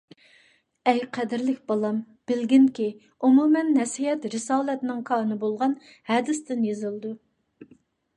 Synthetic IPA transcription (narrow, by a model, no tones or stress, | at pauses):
ɛjqʰɛd̪ɪɾlɪkʲbɑlˠɑm | b̥ɪlɡʲinkʲi | umumɛnːɛsijɛt̪ɾɨsɑːlˠɛt̪nɨŋkʰɑnɨbolˠʁɑn | hɛd̪ɪst̪ɪnjezɨlˠd̪u